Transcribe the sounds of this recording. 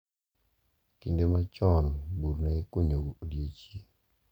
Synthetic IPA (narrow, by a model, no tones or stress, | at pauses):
kindemat͡ʃɔnbuɾnakoɲoɡodjet͡ʃi